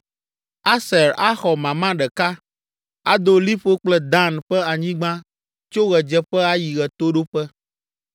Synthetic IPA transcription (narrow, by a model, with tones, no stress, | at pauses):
a˦sɛ˨ɾa˦xɔ˨mã˨mã˦ɖɛ˨ka˦ | a˦d̪o˦li˦ɸo˦k͡plɛ˦d̪a˦nɸɛ˦a˨ɲĩ˦ɡ͡bã˦ | t͡ʃo˦ɣɛ˨d͡ʒɛ˨ɸɛ˦a˦ji˨ɣɛ˨t̪o˦ɖo˦ɸɛ˦